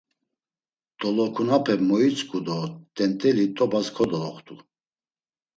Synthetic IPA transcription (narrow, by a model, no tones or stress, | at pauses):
d̪̥ɔlɔkʰunapʰɛmɔit͡sʼkʼud̪ɔd̪̥ɛnt̪ʼɛlit̪ʼɔbaskʰɔd̪ɔlɔχt̪ʰʼu